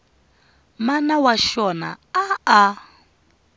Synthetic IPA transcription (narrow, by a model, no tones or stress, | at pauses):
manawaʃɔna̰ | aa